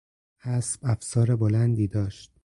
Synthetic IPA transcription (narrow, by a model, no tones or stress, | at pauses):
hæsb̥æfsɒːɾebolænd̪iːd̪ɒːʃt̪̚